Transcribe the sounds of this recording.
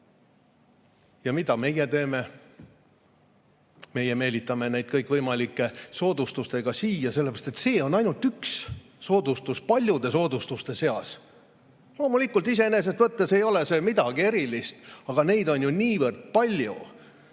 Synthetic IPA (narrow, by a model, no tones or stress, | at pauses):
jɑmid̪ɑme̞jet̪e̞ːme̞ | me̞je̞me̞ːlʲit̪ːˑɑme̞nejd̪̥̚kɤjkˑvɤjmɑlikːˑe̞so̞ːd̪̥ust̪ust̪e̞ɡ̥ɑsiːjɑselːepeɾɑst̪et̪se̞ːo̞nɑjnult̪yks | so̞ːd̪̥ust̪uspɑlʲjud̪̥e̞so̞ːd̪̥ust̪ust̪e̞se̞ɑs | lo̞ːmulikːˑult̪ise̞ene̞s̬est̪vɤt̪ːese̞jo̞le̞se̞mid̪ɑɡ̥ie̞ɾilist̪ɑɡ̥ɑne̞jd̪o̞nʲjunʲiːvɤrd̪̥̚pɑlʲju